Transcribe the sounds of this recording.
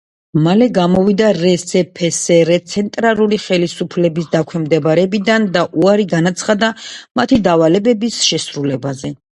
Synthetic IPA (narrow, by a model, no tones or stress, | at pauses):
malɛɡamɔvid̪aɾɛsɛpʰɛsɛɾɛt̪sʰɛnt̪ʼɾalˠuliχɛlisupʰlɛbisd̪akʰwɛmd̪ɛbaɾɛbid̪and̪aʔuaɾiɡanat̪sʰχad̪amat̪ʰid̪avalɛbɛbisʃɛsɾulɛbazɛ